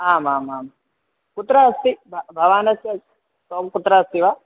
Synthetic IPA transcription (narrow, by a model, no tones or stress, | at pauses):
aːmaːmaːm | kut̪ɾasibʱbʱɐʋaːnɐst̪iɐ | soːmkut̪ɾast̪iʋa